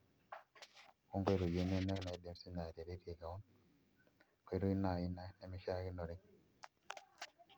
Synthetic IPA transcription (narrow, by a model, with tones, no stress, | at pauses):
ku˦ŋɡe˦˨ɾu˨d͡ʒe˦ne˦ne˦kna˨de˦msi˦na˨ɾe˨ɾi˦ɾe˨ka˨o˦n | ke˦ɾu˦i˦na˨i˦na˦ne˦mi˦ʃa˦ki˦no˨ɾi˦ŋ